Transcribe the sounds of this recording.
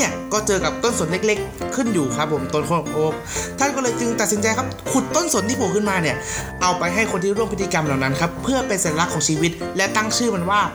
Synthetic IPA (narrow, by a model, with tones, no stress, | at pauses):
i˥˩ɐkɔː˥˩t͡ɕɤː˧ka˨˩p̚t̪o˥˩nso˩˦nle˦˥k̚le˦˥kʰːɯ˥˩njuː˨˩kʰa˦˥pʰːo˨˩˦mt̪o˧˩nkʰo˧˥no˨˩kʰoː˦˥˩p̚ | t̪ʰa˥˩nkɔː˥lɤː˧jt͡ɕɯ˧ŋt̪a˨t̪̚si˩˦nt͡ɕa˧jkʰa˦˥p̚kʰu˨˩t̪ːo˥˨nso˨˩˦nt̪ʰiː˥˩u˨˩kʰɯ˥˩nmaː˧ni˥˩ɐ | ʔa˧wpa˧jɦa˥˩jkʰo˧nt̪i˥˩ɾu˥˩əpʰi˦˥t̪ʰːi˧ka˧mlaː˨˩wna˦˥nkʰa˦˥pʰɯ˥˩ɐpe˧nsa˨˩˦a˧la˦˥kʰːɔː˩˦ŋt͡ɕʰiː˧wi˦˥t̪̚lɛ˦˥t̪a˥˩ŋt͡ɕʰɯː˥˩ma˧nwaː˥˩